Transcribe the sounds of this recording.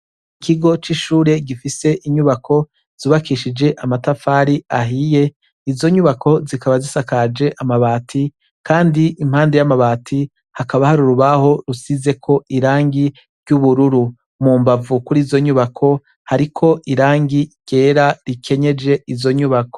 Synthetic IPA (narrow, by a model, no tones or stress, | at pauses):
ikiɡo̞t͡ʃiʃuːɾe̞ɡifise̞ʔiɲuβakʰo̞ | z̥uːβakiːʃid͡ʒe̞ʔamatafaːɾiaɦije̞ | izo̞ɲuβakʰo̞zikaβazisakad͡ʒe̞ʔamaβaːtʰi | kʰaːndiʔim̥haːndejamaβaːtʰi | hakaβahaɾuɾuβaho̞ɾusize̞kʰo̞iɾaːŋɡi | ɾɟuβuɾuɾu | muːmbavukuɾiːzo̞ɲuβakʰo̞ | haɾikʰo̞ʔiɾaːŋɡiɡ̥e̞ːɾaɾikʰe̞ɲe̞d͡ʒe̞ʔizo̞ɲuβako̥